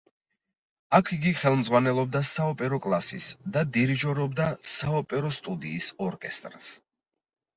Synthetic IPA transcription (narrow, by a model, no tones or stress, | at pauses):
akʰiɡiχɛlˠmd̪zʁwanɛlˠɔb̚d̪asaɔpʼɛɾɔkʼlˠasḭsd̪ad̪iɾid͡ʒɔɾɔbd̪asaɔpʼɛɾɔst̪ʼud̪iːsɔɾkʼɛst̪ʼɾs